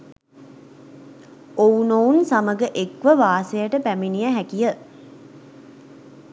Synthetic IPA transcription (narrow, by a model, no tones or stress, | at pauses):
ounounsaməɡəʔekʋəʋaːsejəʈəpæminijəɦækijə